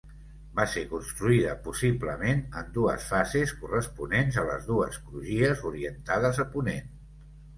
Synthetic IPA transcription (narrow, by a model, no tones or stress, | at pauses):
basekunst̪ɾuiðəpusibləmenənd̪uə̰sfazeskurəspunenzələ̰zðuə̰skɾuʒiəzuɾiənt̪að̞əzəpunen